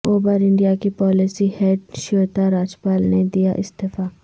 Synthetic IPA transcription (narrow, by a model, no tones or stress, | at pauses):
oːbəɾɪ̃ɳɖijakipɔːlɪsihɛːʈʃoːt̪aɾaːd͡ʒpaːlned̪ijaʔɪsd̪efaː